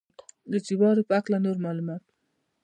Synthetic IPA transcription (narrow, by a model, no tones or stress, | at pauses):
d̪ət͡sibɑɾopəaklanoɾmɑlumɑt̪̚